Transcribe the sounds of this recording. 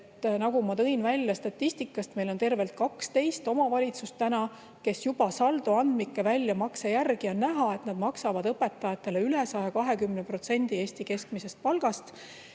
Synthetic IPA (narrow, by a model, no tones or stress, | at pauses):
t̪ːnɑɡ̥umɑt̪ɤ̞invælʲjɑst̪ɑt̪ːist̪ikːˑɑst̪me̞jlo̞nt̪e̞rve̞lt̪̚kɑkst̪e̞jst̪o̞mɑvɑlʲit̪sust̪ːænɑ | ke̞sjub̥ɑsɑld̪̥uɑnd̪̥mikːe̞vælʲːjɑmɑksejærɡ̥iɑnnæɦɑe̞t̪nɑd̪mɑksɑvɑd̪̥ɤpe̞t̪ːˑɑjɑt̪ːˑe̞leyle̞sɑjɑkɑɦe̞kymnepro̞t̪se̞nʲd̪̥ie̞ːst̪ike̞skmise̞st̪̚pɑlɡ̥ɑst̪